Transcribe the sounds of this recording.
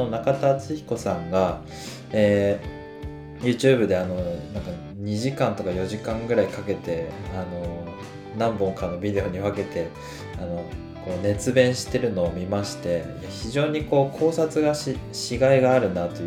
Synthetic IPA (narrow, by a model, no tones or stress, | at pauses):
onakat̪at͡sɨçi̥ko̞sãŋɡa | eː | jɯ̟ːt͡ɕɨːbɯ̟d̪e̞ano̞nãŋka | ɲ̟iʑikãnt̪o̞kajo̞ʑikãŋɡɯ̟ɾaikake̞t̪e̞ano̞ | nãmbõ̞ŋkanːo̞bʲid̪e̞o̞ɲ̟iβake̞t̪e̞ | ano̞ | ko̞ːne̞t͡sɨbẽ̞ɰ̃ɕi̥t̪e̞ɾɯ̟no̞ːmʲimaɕi̥t̪e̞ | çiʑo̞ːɲ̟iko̞ːkʰo̞ːsat͡sɨɡaɕiɕiɡaiɡaːɾɯ̟nat̪o̞